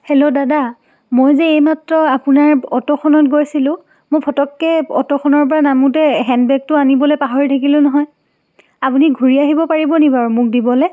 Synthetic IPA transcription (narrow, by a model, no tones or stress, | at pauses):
helodada | mojzɛejmatɹɔapunaɹɔtɔxʰɔnɔtɡojsilʊ̃ | mopʰɔtɔkːɛɔ̰tɔxʰɔnɔɹpɔɹanamutɛɦɛndbɛk̚tʊanibɔlejpaɦɔɹitʰakilʊ̃nɔɦɔj | apuniɡʱuɹiaɦibɔpaɹibɔnibaɹumʊk̚dibɔlɛ